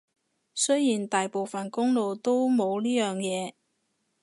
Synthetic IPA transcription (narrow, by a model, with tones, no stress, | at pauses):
sɵ˥jjiː˨˩nt̪aː˨jpo˨wfɐ˨nkʊ˥ŋlo˨˧wt̪o˥wmo˨˧wliː˥jœː˨˩ŋjɛː˨˧